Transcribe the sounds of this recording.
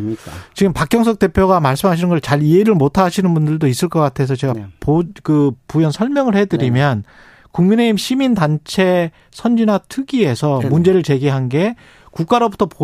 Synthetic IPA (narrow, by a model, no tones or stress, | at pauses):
t͡ɕiɡɯmpak͈jʌŋs̬ʰʌk̚t͈e̞pʰjoɡamaɭs͈ɯmɦaɕ̬ʰinɯnɡʌɭt͡ɕaɾieɾɯɭmotʰaɕʰinɯnbundɯɭdois͈ɯɭk͈ʌk͈atʰe̞s̬ʰʌt͡ɕe̞ɡapokɯpujʌnsʰʌɭmjʌŋɯɭhedɯɾimjʌn | kuŋmine̞imɕʰimindant͡ɕʰe̞ | sʰʌnd͡ʑinatʰɯɡie̞sʰʌmund͡ʑe̞ɾɯɭt͡ɕe̞ɡiɦanɡe̞ | kuk͈aɾobutʰʌpo